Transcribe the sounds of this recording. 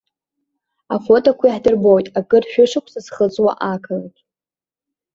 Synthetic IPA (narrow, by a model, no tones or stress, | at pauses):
afo̞tʼokʷʰaiħdɨrbo̞jtʼakʼɨrʃʷᶣʊʂakʷʰsazχət͡sʼwa̰ʔakʰalatʼ